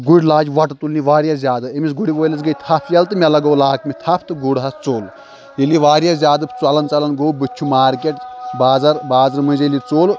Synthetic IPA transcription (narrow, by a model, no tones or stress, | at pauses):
ɡuɽʲlaːd͡ʒʲʋɐʈɐt̪ulniʋaːɾʲjɐszʲjaːd̪ɨɐmisɡuɽiʋoːjlɐs̬ɡɐjt̪ʰɐpʰjɐlt̪ɨmʲɐlɐɡɐwlaːkmʲit̪ʰɐpʰt̪ɨɡuɽɦɐst͡soːl | iliʋaːɾjɐzʲjaːd̪ɨt͡sɐlɐnt͡sɐlɐnɡoːwbɨt͡ʃʰumaːɾkʲeʈbaːzɐɾbaːzɐɾmɐnzɐlit͡soːl